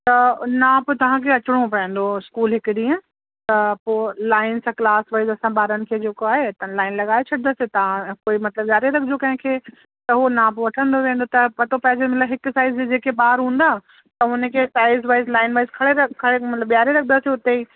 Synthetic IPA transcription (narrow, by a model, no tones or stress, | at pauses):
t̪ɐnãːpt̪ɐʋ̤ãkʰeɐt͡ʃɪɽ̃õpɐə̃n̆d̪oɪskuːlɦɪkɽiə̃ | t̪ɐpoːlaːɪnsãklaːsʋaːɪzɐsãbaːɾənɪ̆kʰed͡ʑeːkoaːɦet̪ɐlaːɪnlɐɡaːet͡ʃʰɐɽd̪aːset̪ɐʋ̤ãkoːimɐt̪ləbzjaːɾeɾɐkʰd͡ʒokɐ̃ɦɪ̃kʰeː | t̪ɐɦonãːpʋɐʈʰə̃nd̪oʋẽːnd̪ot̪ɐpɐt̪opɐɦzemɐt̪ləbɦɪksaːɪzid͡ʑeːkebaːɾɦũːnd̪aː | t̪ɐʊnẽkʰesaːɪzʋaːɪzlaːɪnʋaːɪzkʰɐɽeɾɐkʰɐɽemɐt̪ləbjaːɾeɾɐk̚ʰd̪aːsiʊt̪eiː